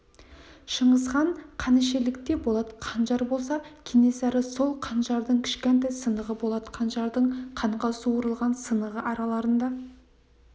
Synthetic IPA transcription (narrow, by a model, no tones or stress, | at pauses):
ʃəɴəzʁɑɴqʰɑnɪʃe̞lɪk̚t̪e̞bo̞lˠɑd̪ə̥qʰɑnʒɑɾbo̞lˠsɑkʲʰene̞sɑɾəso̞lˠqʰɑnʒɑɾd̪əɴkʲʰɪ̥ʃkʲent̪ɑjsənəʁəbo̞lˠɑd̪ə̥qʰɑnʒɑɾd̪əɴqʰɑɴqɑsuwəɾəlˠʁɑnsənəʁəʔɑɾɑlˠɑɾənd̪ɑ